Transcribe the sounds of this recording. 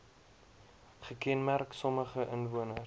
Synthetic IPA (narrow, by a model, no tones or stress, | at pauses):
χəkɛnmærksɔməχəʔənvuənə